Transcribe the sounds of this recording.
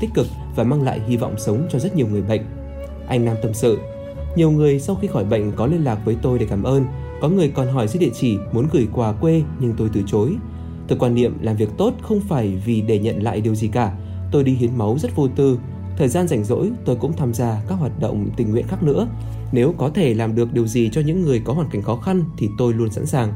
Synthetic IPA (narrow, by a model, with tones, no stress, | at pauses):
t̪ï˦˥k̟̚kɨ˨˩k̚ | vaː˨˩maː˧ŋla̰ː˧˨jɦi˧vɔ̰˧˨wŋ͡msə˨˦wŋ͡mt͡ɕɔ˧zə˦˥t̚ɲi˨˩əwŋɨ˨˩əjɓə̰˧˨jŋ̟ | ʔa˧jŋ̟naː˧mt̪ə˧msɨ̰˧˨ | ɲi˨˩əwŋɨ˨˩əjsa˧wxi˧xɔ˧˩jɓə̰˧˨jŋ̟kɔ˨˦li˧ənlaː˨˩k̚vəː˨˦jt̪o˧jɗe˧˩kaː˧˩mʔəː˧n | kɔ˨˦ŋɨ˨˩əjkɔ˨˩nɦɔ˧˩jzɨ̰˧˥ɗḭ˧˨ət͡ɕi˧˩mu˨˦ənɣɨ˧˩jkwaː˨˩kwe˧ɲɨ˧ŋt̪o˧jt̪ɨ˧˩t͡ɕo˨˦j | t̪ʰɨː˨˩kwaː˧nːḭ˧˨əmlaː˨˩mvi˨˩ək̚t̪o˦˥t̚xə˧wŋ͡mfaː˧˩jvi˨˩ɗe˧˩ɲə̰˧˨nla̰ː˧˨jɗi˨˩əwzi˨˩kaː˧˩ | t̪o˧jɗi˧ɦi˨˦ənma˨˦wzə˦˥t̚vo˧t̪ɨ˧˩ | t̪ʰəː˨˩jzaː˧nza˧˩jŋ̟zo̰˧˥jt̪o˧jkʊ̰˧˥ŋ͡mt̪ʰaː˧mzaː˧ka˦˥k̚ɦwaː˨˩t̚ɗə̰˧˨wŋ͡mt̪ï˨˩ŋːwḭ˧˨ənxaː˦˥k̚nɨ̰˧˥ə | ne˨˦wkɔ˨˦t̪ʰe˧˩laː˨˩mɗɨ˨˩ək̚ɗi˨˩əwzi˨˩t͡ɕɔ˧ɲɨ̰˧˥ŋːɨ˨˩əjkɔ˨˦hwaː˨˩nka˧˩ŋ̟xɔ˨˦xa˧nt̪ʰi˨˩t̪o˧jlu˧ənsa̰˧˥nsaː˨˩ŋ